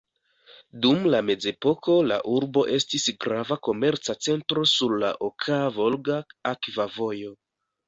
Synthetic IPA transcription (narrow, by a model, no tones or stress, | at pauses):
dumlame̞d͡ze̞po̞kʰo̞la̰ʔuɾbo̞ʔe̞stisɡɾavako̞me̞ɾt͡sat͡se̞ntɾo̞suɾla̰ʔokʰavo̞lɡaakvavo̞jo̞